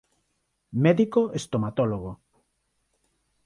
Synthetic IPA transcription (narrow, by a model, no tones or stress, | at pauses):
mɛðikoest̪omat̪oloɣo